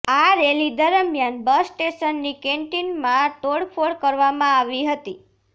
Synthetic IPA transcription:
aɾelid̪əɾəmjanbəsʈeʃənːikeɳʈinmãʈoɽfʰoɭkəɾʋamãaʋiɦət̪i

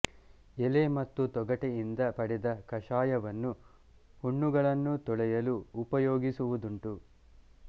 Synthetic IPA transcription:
ɛlemɐt̪ːut̪ɔɡɐʈejind̪ɐpɐɽɛd̪ɐkɐʂaːjɐʋɐnːu | huɳːuɡɐɭɐnːut̪ɔɭɛjɐluːpɐjoːɡisuʋud̪uɳʈu

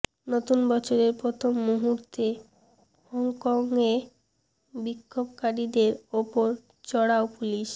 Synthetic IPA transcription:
not̪unbɔt͡ɕʰoɾeɾpɾot̪ʰomːuɦuɾt̪e | hɔŋkɔŋe | bikʰːobkaɾid̪eɾopoɾ | t͡ɕɔɽaopuliʃ

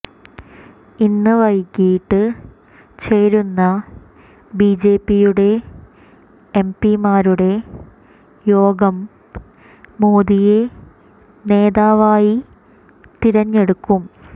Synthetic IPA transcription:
inːɨʋɐjkʲːijiʈːɨ | t͡ɕe̞ːɾunːɐ | bid͡ʑe̞ːpːijuɽe̞ | mpimaːɾuɽe̞ | jo̞ːɡɐm | oːðije̞ | ne̞ːðaːʋaːji | t̪iɾɐɲːe̞ɽukːum

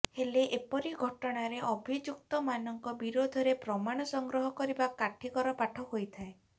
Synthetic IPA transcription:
heleʔepɔɾiɡʱɔʈɔɽ̃aɾeʔɔbʱid͡ʒuk̚t̪ɔmanɔŋkɔbiɾod̪ʱɔɾepɾɔmaɽ̃ɔsɔŋɡɾɔɦɔkɔɾibakaʈʰikɔɾɔpaʈʰɔɦojt̪ʰae

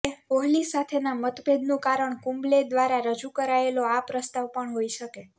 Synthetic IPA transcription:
oɦlisat̪ʰenamət̪bʱed̪nũkaɾəɳkũmbled̪ʋaɾaɾəd͡ʒukəɾaeloapɾəst̪aʋpəɳɦoiʃəke

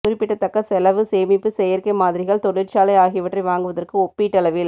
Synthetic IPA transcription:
kʊɾɪpːɪʈːɐt̪ːɐkːɐsɛlɐʋɯseːmɪpːɯsɛjɐɾkɐɪmaːðɪɾɪɣɐɭt̪ɔɽɪɾt͡ʃaːlɐɪaːɣɪʋɪʈrɐɪʋaːŋɡɯʋɐðɐrkɯɔpːiʈːɐlɐʋɪl

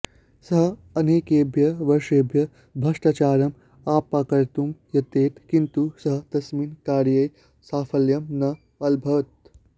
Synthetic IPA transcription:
sɐɦɐneːkeːbʱjɐʋɐɾʂeːbʱjɐ | bʱɐʂʈat͡ʃaːɾɐm | aːpakɐɾt̪umjɐt̪eːt̪kint̪usɐɦɐt̪ɐsminkaːɾjɐj | saːfʰɐljɐmnɐ | ɐlbʱɐt̪̚

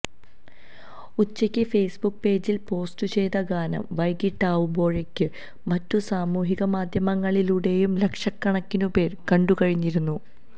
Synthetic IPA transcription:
ut͡ɕːɐkʲːɨfe̞jsbukːpe̞ːd͡ʑilpo̞ːstut͡ɕe̞jðɐɡaːnɐ̰mʋɐjkiʈːaːʋumbo̞ːɻe̞kʲːɨ | mɐtːusaːmuːɦiɣɐmaːd̪ʱjɐmɐŋːɐɭiluɽe̞jumle̞kʂɐkːɐɳɐkːinupe̞ːrkɐɳɖukɐɻiɲːiɾunːu

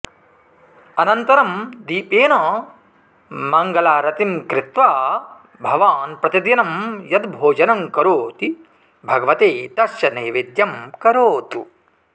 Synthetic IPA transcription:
ɐnɐnt̪ɐɾɐmd̪iːpeːnɐː | mɐŋɡɐlaːɾɐt̪imkɾɪt̪ʋaː | bʱɐʋaːnpɾɐt̪id̪jɐnɐmjɐd̪bʱoːd͡ʒɐnɐmkɐɾoːt̪i | bʱɐɡɐʋɐt̪eːt̪ɐʃjɐneːʋid̪jɐmkɐɾoːt̪ṵ

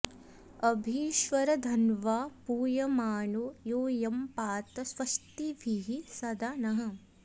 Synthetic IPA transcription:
ɐbʱiːʃʋɐɾɐd̪ʱɐnʋaːpuːjɐmaːnujoːjɐmpaːt̪ɐsʋɐʂʈ̪iʋʱiɦisɐd̪anɐɦɐ̆

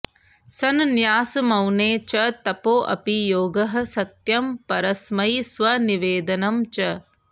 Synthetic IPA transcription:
sɐnnjaːsɐmɐwneːt͡ʃɐt̪ɐpoːʔɐ̰pijoːɡɐɦɐ̆sɐt̪jɐmpɐɾɐsmɐjsʋɐniʋeːd̪ɐnɐmt͡ʃɐ

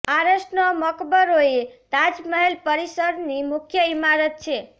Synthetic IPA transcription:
aɾəsnɔməkbəɾoet̪ad͡ʒməɦɛlpəɾisəɾnimukʰjəimaɾət̪̚t͡ʃʰe

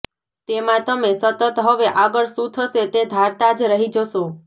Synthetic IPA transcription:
t̪emãt̪əmesət̪ət̪ɦəʋeʔaɡəɭsũt̪ʰəʃet̪ed̪ʱaɾt̪ad͡ʒɾəɦid͡ʒəʃo

